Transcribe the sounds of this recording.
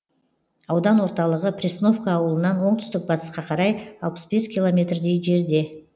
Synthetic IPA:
ɑwd̪ɑnwo̞ɾt̪ɑlˠəʁəprʲisno̞fkaːwəlˠənɑnwo̞ɴt̪ʰʏ̥st̪ɪk̚bɑt̪ə̥sqɑqʰɑɾɑjɑlˠpə̥sbe̞skʲʰilˠo̞mʲe̞t̪rd̪ejʒe̞ɾd̪e̞

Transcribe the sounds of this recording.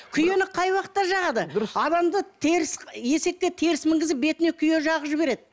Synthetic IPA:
kʲʰʏje̞nɪqʰɑjwɑqət̪ːɑʃɑʁɑd̪əɑd̪ɑmd̪ət̪ʰeɾɪsje̞se̞kʲːet̪ʰe̞ɾɪsmɪŋɡʲɪzɪbe̞t̪ɪne̞kʲʰʏje̞ʒɑʁəpʒɪbe̞ɾe̞d̪ɪ

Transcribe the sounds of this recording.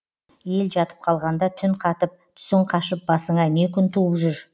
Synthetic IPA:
je̞lʒɑt̪ə̥p̚qʰɑlˠʁɑnd̪ɑt̪ʰʏnqʰɑt̪əp̚t̪ʰʏ̥sɪɴqʰɑʃəp̚bɑsəɴɑne̞kʲʰʏnt̪ʰuəpʒʏɾ

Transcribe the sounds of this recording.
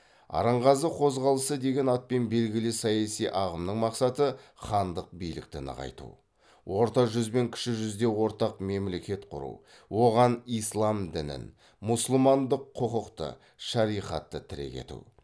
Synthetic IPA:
ɑ̰ɾɑɴʁɑzəqʰo̞zʁɑlˠəsəd̪e̞ɡʲe̞nɑt̪̚pe̞nbe̞lɡʲɪlɪsɑjɑsijʔɑʁəmnəɴmɑqsɑt̪əχɑnd̪əq̚bijlɪ̰k̚t̪ɪnə̰ʁɑ̰jt̪ṵ | wʔo̞ɾt̪ɑʒʏzbe̞ŋkʲʰɪ̥ʃɪʒʏzd̪e̞wo̞ɾt̪ɑqme̞mle̞kʲe̞t̪qʰʊɾṵw | wo̞ʁɑnijslˠɑmd̪ɪnɪ̰n | mʊsʊlˠmɑnd̪əqʰːoqəqt̪ə̰ | ʃɑɾijqɑt̪ːət̪ʰɪɾe̞̰kʲe̞̰t̪ṵ

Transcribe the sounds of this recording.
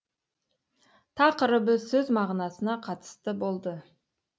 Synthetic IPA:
t̪ʰɑqəɾəbəsɵzmɑʁnɑsənɑqʰɑt̪ə̥st̪əbo̞lˠd̪ə

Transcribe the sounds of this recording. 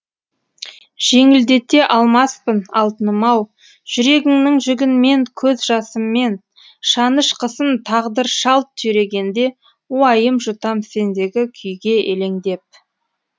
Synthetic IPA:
ʒ̥e̞ŋɪld̪e̞t̪ːe̞ʔɑlˠmɑspənɑ̰lˠt̪ənəmɑw | ʒ̥ʏɾe̞ɡʲɪŋnɪŋʒʏɡʲɪnme̞ŋkʲʰɵzʒɑsəmːe̞n | ʃɑnəʃqʰəsənt̪ʰɑʁd̪əɾʃɑlˠt̪ʰːʏjɾe̞ɡʲe̞nd̪e̞ | uɑjəmʒʊt̪ɑmse̞nd̪e̞ɡʲɪkʲʰʏjɡʲe̞ʔele̞ŋd̪e̞p̚

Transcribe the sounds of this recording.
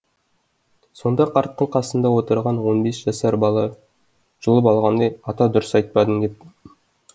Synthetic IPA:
so̞nd̪ɑqʰɑɾt̪̚qəlˠqʰɑsənd̪ɑwo̞t̪əɾʁɑnwo̞nbesʒ̥ɑsæɾbɑlˠɑ | ʒ̥əlˠəp̬ɑlˠʁɑnd̪ɑjɑt̪ɑd̪ʊɾəsɑjt̪̚pɑd̪ənd̪ʲe̞p̚t̪ɪ

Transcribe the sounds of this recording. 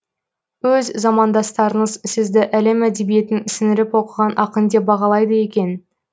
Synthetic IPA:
wɵzzɑmɑnd̪ɑst̪ɑɾəɴəzsɪzd̪ɪʔæle̞mæd̪e̞bije̞t̪ɪnɪsɪnɪɾɪpwo̞qəʁɑnʔɑqənd̪e̞bɑʁɑlˠɑjd̪əje̞kʲe̞n

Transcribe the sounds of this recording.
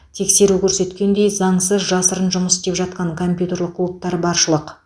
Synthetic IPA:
t̪ʰe̞kse̞ɾukʲʰɵɾse̞t̪kʲe̞nd̪e̞jzɑɴsəzʒɑsəɾənʒʊməsɪst̪e̞pʒɑt̪̚qɑɴkʰo̞mpʲjut̪e̞rɾlˠəq̚ʰːlˠup̚t̪ɑɾbɑɾʃəlˠəq

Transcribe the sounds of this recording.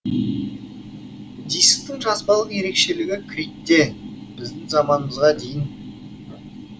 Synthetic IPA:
d̪ijsk̚t̪ɪŋʒɑsbɑlˠəje̞ɾe̞kʃe̞lɪɡʲɪkʲʰɾʲit̪ːe̞b̥ɪzd̪ɪŋzɑmɑnəməzʁɑd̪ejɪn

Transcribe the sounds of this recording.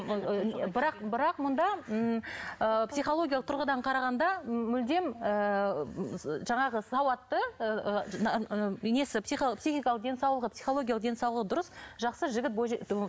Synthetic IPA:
bɪɾɑqbɪɾɑqmʊnd̪ɑ | əpsijχo̞lˠo̞ɡʲialˠəq̚t̪ʰʊɾʁəd̪ɑɴqʰɑɾɑʁɑnd̪ɑmʏld̪e̞mə | ʒɑɴɑʁəsɑwɑt̪ːəə | ne̞sɪpsipsiχijkɑlˠəq̚d̪ensɑwlˠəʁəpsijχo̞lˠo̞ɡʲjalˠəq̚d̪ensɑwlˠəʁəd̪ʊɾəsʒɑqsəʒɪɡʲɪt̪̚bo

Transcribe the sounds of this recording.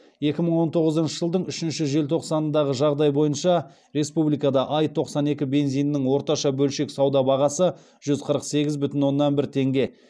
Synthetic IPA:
je̞kʲɪməɴwo̞nt̪ʰo̞ʁəzənʃəʒəlˠd̪əɴʏʃɪnʃɪʒe̞lt̪ʰo̞qsɑnənd̪ɑʁəʒɑʁd̪ɑjbo̞jənʃɑ | ɾe̞spublijkɑd̪ɑʔɑjt̪ʰo̞qsɑne̞kʲɪbe̞nzijnːɪɴwo̞ɾt̪ɑʃɑbɵlʃe̞ksɑwd̪ɑbɑʁɑsə | ʒ̥ʏzqʰəɾəqse̞ɡʲɪzbʏt̪ɪnwo̞nːɑnbɪɾt̪ʰe̞ŋɡʲe̞

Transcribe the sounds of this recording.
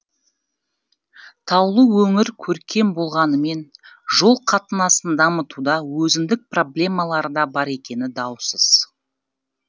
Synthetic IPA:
t̪ʰɑwlˠəwɵŋɪɾkʲʰɵɾkʲe̞mbo̞lˠʁɑnəme̞nʒo̞lˠqʰɑt̪ənɑsənd̪ɑmət̪ud̪ɑwɵzɪnd̪ɪk̚pro̞blʲe̞mɑlˠɑɾəd̪ɑbɑɾe̞kʲe̞nɪd̪ɑwsəz̥

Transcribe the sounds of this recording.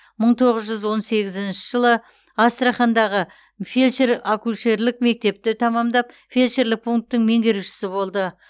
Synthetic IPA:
məɴt̪ʰo̞ʁəzʒʏzwo̞nse̞ɡʲɪzɪnʃɪʒəlˠə | ɑst̪rɑχɑnd̪ɑʁə | felʲʃeɾakulʲʃeɾlɪkme̞k̚t̪e̞p̚t̪ɪt̪ʰɑmɑmd̪ɑp̚ | fʲelʲʃeɾlɪk̚pʰuŋk̚t̪ːɪŋme̞ŋɡʲe̞ɾuʃɪ̥sɪbo̞lˠd̪ə

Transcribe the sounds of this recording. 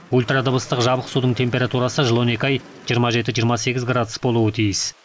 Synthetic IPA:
ulʲˠt̪rad̪əbəst̪əqʒɑbəqsud̪əɴt̪ʰe̞mpʲe̞ɾat̪uɾɑsəʒəlˠo̞nekʲɑj | ʒijɾmɑʒe̞t̪̬ɪʒijəɾmɑse̞ɡʲɪzɡrad̪ʊsbo̞lˠuət̪ʰijɪs

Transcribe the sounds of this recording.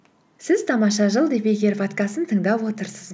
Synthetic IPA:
sɪz̥t̪ʰɑmɑʃɑʒəlˠd̪epeɡʲe̞ɾvat̪kɑsənt̪ʰəɴd̪ɑpwo̞t̪əɾsəz

